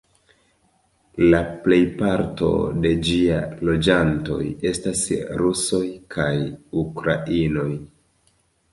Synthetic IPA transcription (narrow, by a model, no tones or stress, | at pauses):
laple̞jpaɾto̞̰de̞d͡ʒialo̞d͡ʒanto̞̰je̞stasɾuso̞jkʰajukɾaʔino̞j